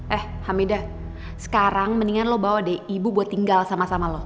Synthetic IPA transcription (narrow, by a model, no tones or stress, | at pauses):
ʔɛh | hamida | sə̥kaɾaŋməniŋanlɔhbawadɛibubuat̪ːiŋɡalsamasamalɔh